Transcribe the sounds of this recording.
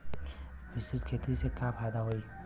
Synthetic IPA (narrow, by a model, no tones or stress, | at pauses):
bisɪt̪kʰeːt̪isekãpʰajd̪aɦoi